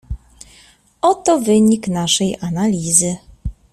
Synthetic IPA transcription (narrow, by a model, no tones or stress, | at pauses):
ɔt̪ɔvɘɲiknaʂɛjanalʲizɘ